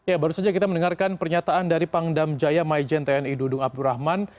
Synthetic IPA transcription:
jabaɾusad͡ʒakit̪amənəŋarkanpərɲat̪aandaɾipaŋdamd͡ʒajamaid͡ʒɛnt̪ɛɛnidudʊŋap̚duɾahman

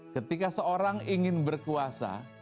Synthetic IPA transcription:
kət̪ikasəoɾaŋiŋɪnbərkuasa̰

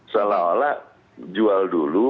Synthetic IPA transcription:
salala | d͡ʒualdulu

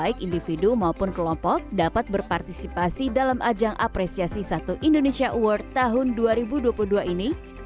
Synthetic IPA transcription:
ɪkindifidumaupʊnkəlɔmpɔk̚dapat̪̚bərpart̪isipasidalamʔad͡ʒaŋʔa̰pɾesiasisat̪uʔindonesiaʔuwərt̪ːaɦʊnduaɾibuduapuluhduaʔini

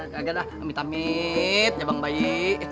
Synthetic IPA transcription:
kaaɡadahamit̪amit̪̚ɲabaŋbaiʔ

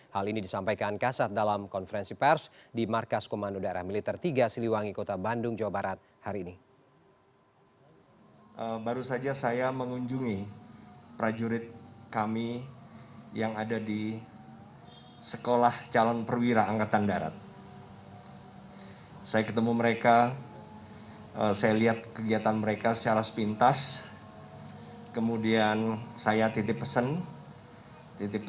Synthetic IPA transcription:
halinidisampajkankasat̪̚dalamkɔnfəɾɛnsipɛrsdimarkaskomandodaeɾa̰hmilit̪ɛrt̪iɡasiliwaŋikot̪abandʊŋd͡ʒawabaɾat̪̚ | haɾiːni | ʔəbaɾusad͡ʒasajaməŋuɲd͡ʒuŋi | pɾad͡ʒuɾɪt̪̚kami | jaŋadadi | səkolaht͡ʃalɔnpərwiɾaːŋkat̪andaɾa̰t̪̚ | sajakət̪əmuməɾeka | əsajaliat̪̚kəɡiat̪anməɾekasə̥t͡ʃaɾasə̥pint̪as | kəmudiansajat̪it̪ɪpːəsən | t̪it̪ɪ

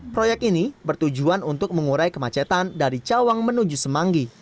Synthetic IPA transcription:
pɾojɛk̚t̪inibərt̪ud͡ʒuanunt̪ʊk̚məŋuɾajkəmat͡ʃɛt̪andaɾit͡ʃawaŋmənud͡ʒusəmaŋɡi

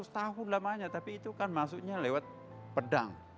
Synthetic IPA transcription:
st̪aɦʊnlamaɲat̪apiːt̪ukanmas̬uɲalewat̪̚ | pəda̰ŋ

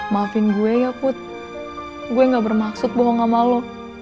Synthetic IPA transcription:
mafinɡuɛjapʊt̪̚ | ɡuɛŋɡabərmaksʊt̪̚bɔɦɔŋamalo

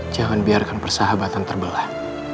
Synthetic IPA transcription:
d͡ʒaŋanbiarkanpərsaɦabat̪ant̪ərbəlah

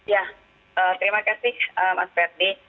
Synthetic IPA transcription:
ja | ət̪əɾimakasɪhəma̰s̚pɛr̚de

